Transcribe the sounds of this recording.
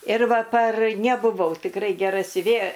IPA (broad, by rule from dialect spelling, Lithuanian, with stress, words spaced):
ɪr ˈʋɐ pɐr nʲɛbʊˈʋɐʊ tʲɪkˈrɐɪ ɡʲɛˈrɐ sʲʊˈʋʲeːjɛ